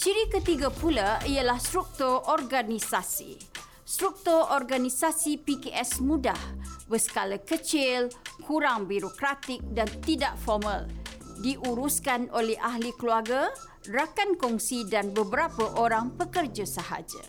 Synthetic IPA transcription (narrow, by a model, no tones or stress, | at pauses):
t͡ʃiɾikət̪iɡapulaialahst̪ɾuk̚t̪ʊrɔrɡanisasḭ | st̪ɾuk̚t̪ʊrɔrɡanisasipikeʔɛsmũdahbəsə̥kalakət͡ʃɪlkʰuɾaŋbiɾokɾat̪ɪk̚dant̪idaʔfɔrməldiʔuɾuskanolɛhaɦlikəluarɡa | rakankɔŋsidanbəbəɾapəʔoɾaŋpəkərd͡ʒasəha̰d͡ʒa̰